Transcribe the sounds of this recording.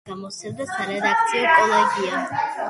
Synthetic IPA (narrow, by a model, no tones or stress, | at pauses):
ɡamɔsɛvd̪asaɾɛd̪ak̚t̪sʰiɔkʼɔlˠaɡia